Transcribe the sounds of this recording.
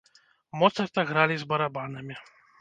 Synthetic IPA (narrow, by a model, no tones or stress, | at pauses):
mɔt̪sɐɾt̪ɐɣɾalʲizbɐɾabanɐmʲi